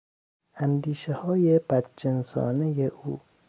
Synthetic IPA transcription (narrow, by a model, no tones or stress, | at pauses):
ʔænd̪iːʃehɒːjeb̥æd̪d͡ʒensɒ̰ːnejeʔuː